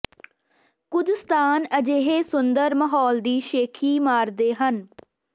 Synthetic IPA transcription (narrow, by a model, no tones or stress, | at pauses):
kʊd̪əst̪aːnəd͡ʒeːɦeːsʊnd̪əɾməɦɔːld̪iːʃeːkʰiːmaːɾd̪eːɦən